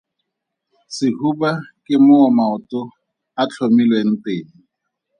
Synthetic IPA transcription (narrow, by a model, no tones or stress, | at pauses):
sɪhubakʼɪmʊːmaʊtʼʊ | at͡ɬʰomilweŋ̩tʼeːŋ̩